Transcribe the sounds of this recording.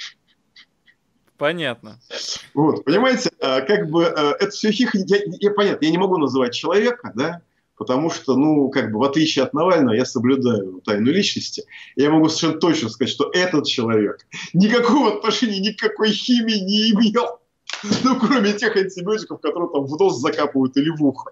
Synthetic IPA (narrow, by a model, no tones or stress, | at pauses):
pɐnʲat̪̚nəvo̞t̪pənʲɪmajɪtʲɪakaɡ̚bɨʔəʔɛt̪ə̥fsʲoxʲixnʲɪjajapɐnʲat̪nəjanʲɪmɐɡunəzɨvat̚ʲt͡ɕɪlˠɐvʲe̞kəd̪a | pət̪ɐmuʂt̪onukaɡ̚bɨvɐt̪lʲit͡ɕɪɪɐt̪̚nɐvalʲnəvəjasəblʲʊd̪ajʊt̪ajnʊlʲit͡ɕnəsʲtʲɪɪjamɐɡusə̥ɪʂɛnːət̪o̞t͡ɕnəskɐzatʲʂt̪o̞ʔɛt̪ət̪̚t͡ɕɪlˠɐvʲe̞knʲɪkɐko̞vɐt̪nɐʂɛnʲɪjːnʲɪkːɐko̞jxʲimʲɪɪnʲɪɪmʲelˠ | nukɾo̞mʲɪtʲe̞xɐnʲtʲɪbʲɪotʲɪkəfkɐt̪o̞ɾɨjɪt̪amvno̞zzɐkapəvəjʊt̪ɪlʲɪvuxə